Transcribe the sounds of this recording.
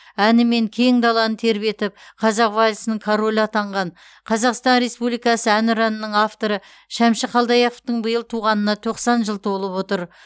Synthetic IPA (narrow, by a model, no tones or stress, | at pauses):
ænɪme̞ŋkʲʰe̞ŋd̪ɑlˠɑnənt̪ʰe̞ɾbe̞t̪ɪp̚qʰɑzɑqvalʲsənəŋkʰoɾolʲɑt̪ɑɴʁɑn | qʰɑzɑqst̪ɑnɾe̞spublijkɑsəænʏɾɑnənəɴɑft̪o̞ɾə | ʃæmʃɪqʰɑlˠd̪ɑjɑqəft̪əɴbəjəlˠt̪ʰuʁɑnənɑt̪ʰo̞qsɑnʒəlˠt̪ʰo̞lˠəpwo̞t̪əɾ